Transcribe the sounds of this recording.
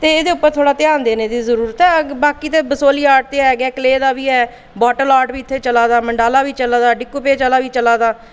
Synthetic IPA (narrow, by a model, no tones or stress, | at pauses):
t̪eːeːd̪eːʊpːəɾt̪ʰoːɽaːt̪ɪãːnd̪eːneːd̪iːzəɾuːɾət̪ɦɛːbaːkiːt̪eːbəsoːliːaːʈ̚t̪eːɦɛːɡɛːkəleːd̪aːbiːɦɛː | bɔːʈəlaːʈbiːɪt̪ʰːeːt͡ʃəlaːd̪aːməɳɖaːlaːʋiːt͡ʃəlaːd̪aːɖɪkːupeːt͡ʃəlaːʋiːt͡ʃəlaːd̪aː